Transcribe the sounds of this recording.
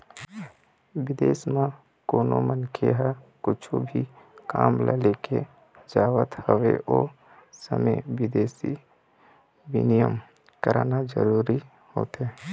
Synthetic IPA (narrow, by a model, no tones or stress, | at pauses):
ʋɪd̪eːsmã | koːnomənkʰeɦɛkʊt͡ʃʰubʱika̰ːmla̰leːke | d͡ʒaːwət̪həʋḛʔoː | sə̰meʋɪd̪eːsi | ʋɪ̰nijəm | kəɾanad͡ʒə̰ɾuːɾi | hoːt̪ɦeː